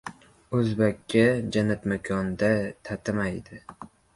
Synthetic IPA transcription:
ɵzbakʲːad͡ʒanat̪makʲʰɒnd̪at̪ʰat̪ʰamajd̪ɪ

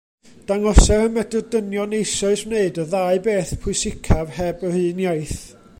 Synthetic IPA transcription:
d̥aŋɔsɛɾəmɛdɔdənjɔnejsɔɨsmneɨdəðaɨbeːθpʰʊɨsɪkʰavhɛbəhɨːnjajθ

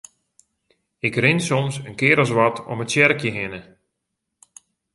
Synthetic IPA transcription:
ɪkrɪnsɔmsənkɪːɾɔsʋatʰɔ̰mətsjɛrkjəɦɪnə

